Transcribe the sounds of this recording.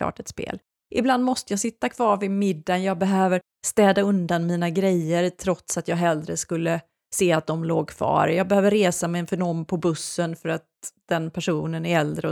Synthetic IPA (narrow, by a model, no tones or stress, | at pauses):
ɑ̰ːʈɛt̪spḛːl | ʔɪbland̪mɔst̪əjɑsɪt̪ːakʰv̥ɑːɾvɪmɪd̪ːanjɑːɡ̚bɛɦøːvəɾ | st̪ɛːd̪aɵnd̪anmiːnaɡɾɛjːəɾt̪ʰɾɔt̪sat̪jɑːɡɦɛld̪ɾəskɵlːə | seːat̪̚d̪ɔmloːɡ̚kʰv̥ɑ̰ːɾjɑːɡ̚bɛhøːvəɾːeːsamɛɛnfœɖɔmpʰɔbɵsːənfœɾat̪̚d̪̥ɛnpʰæʂuːnənæɾɛld̪ɾə